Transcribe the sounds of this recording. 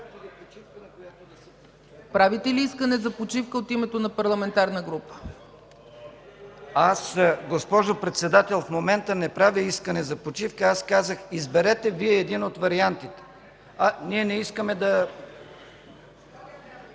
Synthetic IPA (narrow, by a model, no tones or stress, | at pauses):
pɾavit̪ɛliiskənɛzɐpot͡ʃifkəot̪imɛt̪onɐpɐɾlˠɐmɛnt̪aɾnəɡɾupə̥ | asɡospɔʒopɾɛt̪sɛd̪at̪ɛlˠfmomɛnt̪ənɛpɾaviiskənɛzɐpot͡ʃifkəaskazəxizbɛɾɛt̪ɛviɛːd̪inot̪vɐɾiant̪it̪ɛ̥ | ɐniɛnɛiskəmɛd̪ɐ